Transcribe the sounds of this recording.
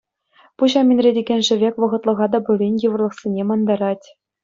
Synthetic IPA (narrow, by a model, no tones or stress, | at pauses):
puʑɑmʲinʲrʲedʲeɡʲenʲʐɘ̆ʋʲekʲʋɤ̆ʁɤ̆t̪lˠɤ̆ʁɑd̪ɑbulʲinʲjɯʋɤ̆rlˠɤ̆χsʲenʲemɑnd̪ɑɾɑtʲ